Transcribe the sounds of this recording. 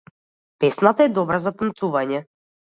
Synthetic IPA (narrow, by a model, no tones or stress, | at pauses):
pɛsnat̪aɛd̪ɔbɾazat̪ənt̪suvaɲɛ